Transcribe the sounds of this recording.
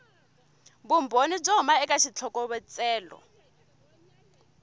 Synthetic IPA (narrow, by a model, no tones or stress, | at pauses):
bumbʱonib͡ʐɔɦmaɛkaʃit͡ɬʰɔkɔβɛt͡sʼɛːlɔ̰